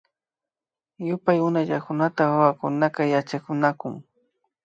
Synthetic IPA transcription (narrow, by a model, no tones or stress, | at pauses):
jʊpajʊnaʎakʊnat̪awawakʊnakajat͡ʃakʊnakʊŋ